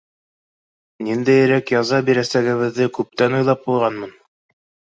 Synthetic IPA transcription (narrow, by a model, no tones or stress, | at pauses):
nind̪æjɘ̆ɾækjɑzɑbiɾæsæɡɘ̆βɘ̆ðːɘkʉp̚t̪ænujlˠɑp̚buj̪ˠʁɑnmɤn